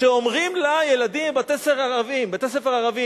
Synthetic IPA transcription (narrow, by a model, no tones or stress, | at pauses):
ʃeomʁimlajeladimbat̪eseʁaʁavimbet̪es̬efeʁaʁavi